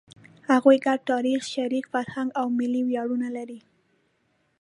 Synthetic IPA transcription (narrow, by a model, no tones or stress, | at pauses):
haɣujɡaɖ̚t̪ɑɾixʃaɾikfaɾhaŋɡawmɪlːiwjɑɽunalaɾi